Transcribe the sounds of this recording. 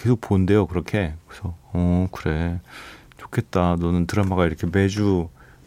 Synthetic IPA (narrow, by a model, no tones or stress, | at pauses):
kesʰok̚ponde̞jokɯɾʌkʰe̞kkʌsʰʌʌkɯɾe̞ | t͡ɕo̥kʰe̞t̚t͈anʌnɯntɯɾamaɣaiɾʌkʰe̞me̞d͡ʑu